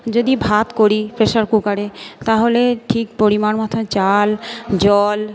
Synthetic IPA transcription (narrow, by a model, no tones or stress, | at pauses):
d͡ʑod̪ibʱat̪koɾipɾeʃaɾkukaɾet̪aɦoleʈʰik̚poɾimanmat̪ʰot͡ɕald͡ʑɔl